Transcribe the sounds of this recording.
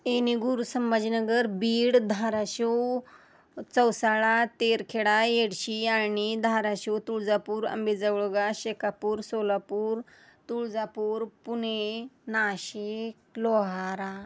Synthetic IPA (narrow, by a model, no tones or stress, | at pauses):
eniɡuɾusəmbad͡ʑinəɡəɾbiːɽd̪ʱaɾaɕuw | t͡səwsaɭat̪eɾkʰeɽajeɽɕiaɳid̪ʱaɾaɕewt̪uɭd͡zapuːɾə̰mbed͡zəwɭoɡaɕekapuːɾsolapuːɾ | t̪uɭd͡zapuːɾpunenaɕikloɦaɾa